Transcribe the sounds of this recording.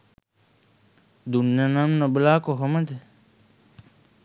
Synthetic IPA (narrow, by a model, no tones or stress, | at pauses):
d̪unjanamnɐblaːkoɦɐməd̪e